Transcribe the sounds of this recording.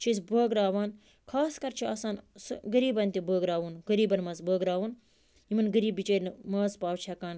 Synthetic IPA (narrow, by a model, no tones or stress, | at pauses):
t͡ʃʰizbəːɡɾaːʋaːn | kʰaːskɐɾt͡ʃʰiɐ̰saːnsɡɐɾiːbɐnt̪ʲibəːɡɾaːʋunɡəɾiːbɐnmɐzbəːɡɾaːʋun | imɐnɡɐɾiːbːit͡ʃeːɾnmɐːzpaːwt͡ʃʰɐkaːn